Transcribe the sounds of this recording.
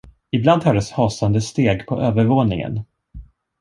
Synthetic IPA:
ɪbland̪hɑːɖɛshɑːsand̪əst̪eːɡpʰɔʔøːvəɾvoːnɪŋə̰n

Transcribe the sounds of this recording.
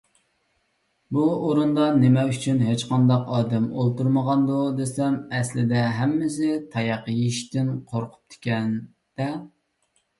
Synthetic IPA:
buoɾund̪ɑnemɛyt͡ʃʰynɦet͡ʃqʰɑnd̪ɑqɑːd̪ɛmolˠt̪uɾməʁɑnd̪ud̪esɛmɛslɪd̪ɛɦɛmːɪs̬ɪt̪ʰɑjɑqəjiʃt̪ɪnqʰoɾqʰʊ̥p̚t̪ʰɪ̥kʲɛn | d̪̥ɛ

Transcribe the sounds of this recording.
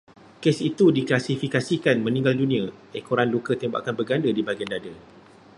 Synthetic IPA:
kesit̪udiklasifikasikanmə̃nĩŋɡaldunĩãekoɾanlukət̪emba̰kanbəɡandədibaɡiandadə

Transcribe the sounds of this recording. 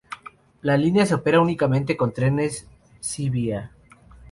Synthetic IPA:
lalinjaseope̞ɾaunikamẽnt̪̬e̞ko̞nt̪ɾe̞ne̞sː | iβia

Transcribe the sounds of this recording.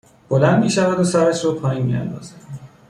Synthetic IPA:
b̥olænd̪miːʃævæd̪osæɾæʃɾɔːpʰɒːjiːnmḭæ̰nd̪ɒ̰ːz̥æ

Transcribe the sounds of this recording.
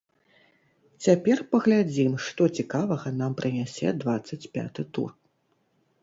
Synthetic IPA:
t͡sʲapʲɛrpɐɣlʲad͡zʲimʂt̪ɔt͡sʲikavɐɣɐnampɾɨnʲasʲɛ̰d̪vat̪sːɐt͡sʲpʲa̰t̪ɨt̪ṵr

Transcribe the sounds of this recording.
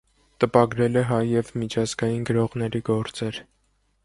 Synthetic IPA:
t̪əpɑɡɾɛlɛɦɑjːɛvmit͡ʃʰɑzɡɑjinɡəɾɔʁnɛɾiɡɔɾt͡sɛɾ

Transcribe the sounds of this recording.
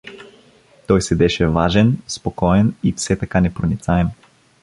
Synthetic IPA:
t̪ɔjsɛd̪ɛʃɛvaʒɛnspokɔɛnifsɛt̪akanɛpɾonit̪saɛm

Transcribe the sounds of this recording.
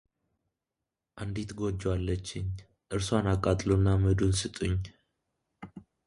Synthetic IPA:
ʔand̪it̪ɡo̞d͡ʒːwalːət͡ʃːɪɲ | ʔɨɾswanakʼːat̪ʼlunːaməd̪unsɨt̪ʼɨɲ

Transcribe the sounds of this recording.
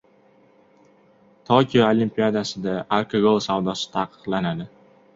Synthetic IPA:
t̪ʰokʲʰijɒolimpijad̪asɪd̪aaɾkʰoɡolˠsavd̪ɒsɪ̥t̪ʰaqɨ̥qlˠanad̪ɪ

